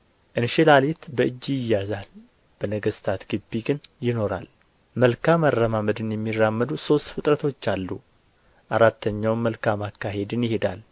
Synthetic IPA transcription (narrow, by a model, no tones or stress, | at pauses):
ʔɨnʃɪlalet̪bəɨd͡ʒːijɪjːazal | b̥ənəɡəst̪ʰat̪ɡ̥ɨbːiɡɨnjɪno̞ɾa̰l | məlkʰamarːəmaməd̪ɨnjɛmːirːamːəd̪uso̞st̪fɨt̪ʼɾət̪ʰo̞t͡ʃːalːu | ʔaɾat̪ʰːəɲːawməlkʰamakːaɦe̞d̪ɨnjɪhed̪al